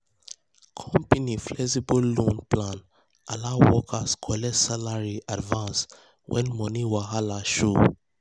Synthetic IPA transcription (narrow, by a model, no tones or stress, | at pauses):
kʰɔ̃mpiniflɛsibɔllũnplãn | alawɔkʰaskʰɔlɛsalaɹiʔadvãns | wʔɛ̰̃nmɔniwaɦalaʃu